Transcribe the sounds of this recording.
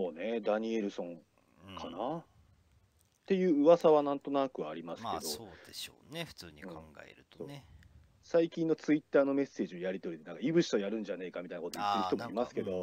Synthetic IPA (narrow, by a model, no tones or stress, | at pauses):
oːne̞d̪aɲ̟ie̞ɾɯ̟sõ̞ŋ | kʰana | t̪e̞jɯ̟ːɯ̟βasaβanãnt̪o̞nakɯ̟aɾʲimasɨ̥ked̪ood̪eoɸɯ̥t͡sɨːɲĩãŋɡa̰ḛɾɯt̪o̥oː | saikʲĩnːo̞t͡sɨit̪ːaːno̞me̞se̞ːʑiojaɾʲit̪o̞ɾʲid̪e̞naŋkaibɯ̟ɕi̥t̪ojaɾɯ̟̃ɲ̟d͡ʑane̞ːkamʲit̪ajnako̞t̪oit̪ːeɾçit̪omoimasɨ̥ke̞d̪o̞